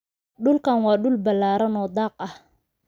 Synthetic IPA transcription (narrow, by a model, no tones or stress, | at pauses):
ɖʊlkʰanwɑːɖʊlbɐlːaːɾɐnɔːd̪ɑːq̚ɐh